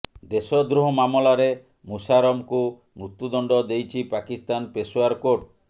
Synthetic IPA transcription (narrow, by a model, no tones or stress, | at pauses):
d̪esɔd̪ɾuɦɔmamɔlaɾe | musaɾɔmku | mɾut̪jud̪ɔɳɖɔd̪ejt͡ʃʰipakist̪anpesoaɾkoʈ̚